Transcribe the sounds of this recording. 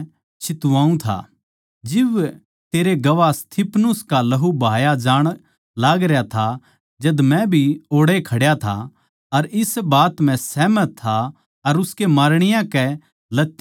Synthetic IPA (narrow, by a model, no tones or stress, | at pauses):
t͡ʃʰɪt̪uʋãːũt̪ʰa̰ | d͡ʒɪʋ | t̪eːɾeɡɐʋast̪ʰɪpʰnʊskalɐɦubʱaːjad͡ʒaːɽ̃ | laːɡɾjat̪ʰa | d͡ʒɐd̪mɛ̃bʱioːɽekʰɐɽjat̪ʰa̰ | ɐɾɪsbaːt̪m̤ɛ̃sɛːmət̪ʰːa | ɐɾʊskemaːɾɽ̃ɪjãkɛ | lɐt̪ː